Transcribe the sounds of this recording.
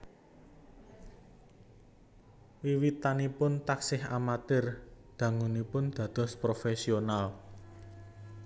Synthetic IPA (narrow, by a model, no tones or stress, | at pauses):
wiwit̪anipʊnt̪aksɪɦa̰mat̪ɪrd̪̥ä̤ŋunipʊnd̪̥ä̤d̪̥ɔ̤spɾofesional